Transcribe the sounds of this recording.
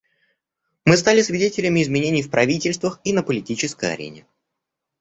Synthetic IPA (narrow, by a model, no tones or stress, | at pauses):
mɨst̪alʲɪsvʲɪdʲetʲɪlʲɪmʲɪːzmʲɪnʲenʲɪjfpɾɐvʲitʲɪlʲst̪vəxinəpəlʲɪtʲit͡ɕɪskəjɐ̰ɾʲḛnʲɪ